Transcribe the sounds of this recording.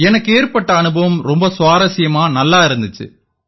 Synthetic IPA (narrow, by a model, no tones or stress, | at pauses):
ɛnɐkːeːrpɐʈːɐːnɯbɐʋɐmɾɔmbɐsʊʋaːɾɐsɪjɐmaːnɐlːaːɪɾɯnd̪ɯt͡ʃːɯ̰